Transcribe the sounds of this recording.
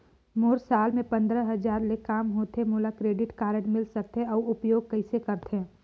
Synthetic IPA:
moːɾsaːlmẽpɐ̃nd̪ɾəɦɐd͡ʒaːɾlekaːmɦoːt̪emʊlakɾeːɖɪʈkaːɾəɽmɪlsɐk̚t̪eɔːʊpjoːɡ̚kɐɪsekɐɾt̪eɛː

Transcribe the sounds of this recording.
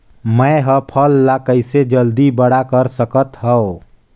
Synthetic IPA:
məjɦəpʰəlːakəɪsed͡ʒəld̪ibəɽakəɾsəkət̪ɦə

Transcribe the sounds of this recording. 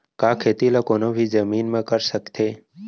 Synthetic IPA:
kaːkʰeːt̪ilokoːnobʱid͡ʒəmiːnmãkəɾʃəkt̪ʰe

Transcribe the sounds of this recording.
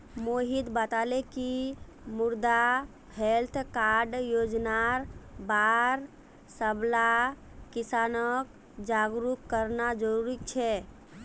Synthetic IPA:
moɦid̪bət̪aleki | muɾd̪a | helt̪ʰkaɖjod͡ʒnaɾbaɾ | səbla | kisanək | d͡ʒaɡɾukːəɾnad͡ʒəɾuɾikt͡ʃʰɛ

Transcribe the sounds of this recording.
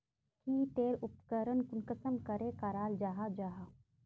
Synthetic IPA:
kit̪eːɾʊpkəɾənkʊnkəsəmkəɾekaɾaːld͡ʒaːɦad͡ʒaːɦa

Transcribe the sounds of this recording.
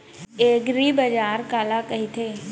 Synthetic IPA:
eːɡɾibɐd͡ʒaːɾkaːlakɐɦit̪ʰeː

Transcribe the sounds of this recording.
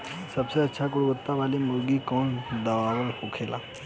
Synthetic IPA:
səbseətːʃʰakʊɽʋət̪ːaʋalimuɾɡiːkɔːnd̪əʋaʋəlpukʰela̰

